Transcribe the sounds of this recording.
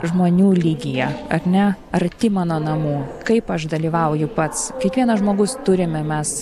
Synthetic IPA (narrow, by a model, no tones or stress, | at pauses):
ʒmoːnʲuːlʲiːɡʲɪjɛɐɾʲnʲɛ | ɐɾt̪ʲɪmɑːnoːnɐmuːkɐɪpɐʃd̪ɐlʲiːʋɐʊjʊpɐt̪skʲiɛkʋʲiɛnɐʒmoːɡʊst̪ʊɾʲɪmʲɛmʲɛs